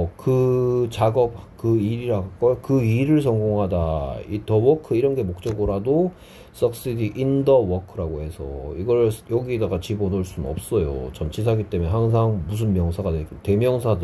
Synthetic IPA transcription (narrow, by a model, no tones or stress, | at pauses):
kɯt͡ɕaɡʌp̚kɯiɾiɾaɡk͈ʌjkɯiɾɯɭs̬ʰʌŋɡoŋɦadaitʰʌwʌkʰɯiɾʌnɡe̞mok̚t͡ɕ͈ʌɡɯɾado | s͈ʌk̚s͈idiʔindʌwʌkʰɯɾaɡoɦe̞sʰʌ̰iɡʌɭjʌɡiedaɡat͡ɕibonoɭs͈unɯnʌ̰p̚s͈ʌjo̰t͡ɕʌnt͡ɕʰis̬ʰaɡit͈e̞meɦaŋs̬ʰaŋmus̬ʰɯnmjʌŋsʰaɡadeik͈ote̞mjʌŋsʰadɯ